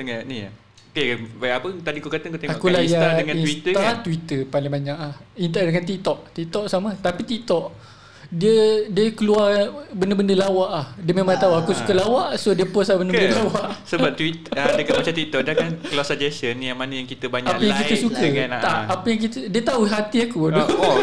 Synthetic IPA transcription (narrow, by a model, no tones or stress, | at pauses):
t̪əŋaʔni | okebajapət̪adikokat̪akot̪eŋaɔʔkulajadəŋãiwit̪əaat̪wit̪əpalɪŋbaɲaʔlahint̪adəŋant̪ik̚t̪ɔʔt̪ik̚t̪ɔʔsamat̪apit̪ik̚t̪ɔʔ | diədiəkəluarbəndəbəndəlawaʔlahdiəmẽmãŋt̪auakusukəlawaʔʔsodiəpɔsabəndəəndəlawaʔsəbap̚t̪wit̪adəkamat͡ʃamt̪it̪ɔʔ̚diakankluasad͡ʒɛsənjaŋmanəjaŋkit̪əbaɲaaʔpajãŋkit̪əsukəanaʔ̪aʔapəjaŋk̬it̪ədiət̪auɦat̪iakudɔ